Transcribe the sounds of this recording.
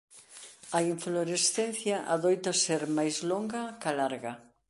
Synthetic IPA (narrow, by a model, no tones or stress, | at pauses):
ɐiɱfloɾesθen̟θjaʔaðojt̪ɐseɾmajzloŋɡɐkalaɾɣɐ